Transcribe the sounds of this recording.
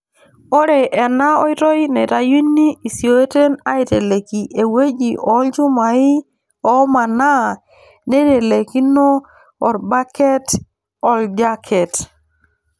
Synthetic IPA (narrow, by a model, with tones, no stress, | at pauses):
o˦ɾe˨ʔe˨na˦o˦jto˦jne˨ta˦ji˦nːi˦i˨si˨o˦e˦te˦na˦i˨te˨le˨ki˨ʔe˨we˦d͡ʒi˨ʔɔ˨˦ld͡ʒu˦ma˨i˦ | ɔ˨˦ma˨na˦ | ne˦te˨le˨ki˦nɔː˦˨ | ɾba˦ke˦t | ɔ˨ld͡ʒa˦kʰɛ˨t